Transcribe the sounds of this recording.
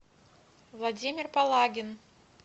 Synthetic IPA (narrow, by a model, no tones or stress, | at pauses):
vlˠadʲimʲɪrpalˠaɡʲɪn